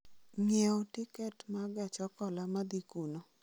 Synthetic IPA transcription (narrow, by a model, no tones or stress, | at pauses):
ŋɛotɪkɛtmaɡɛt͡ʃɔkɔlamad̪ikuno